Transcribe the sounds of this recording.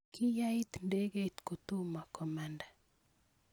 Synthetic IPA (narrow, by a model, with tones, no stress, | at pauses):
kʰɪ˦ja˦ɪ˦t̪nde˦ɡe˦t̪ko˨t̪u˦ma˨kɔ˨ma˨nda˨